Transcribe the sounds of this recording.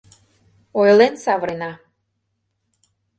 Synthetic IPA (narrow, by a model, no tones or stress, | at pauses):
ojlensɑβəɾenɑ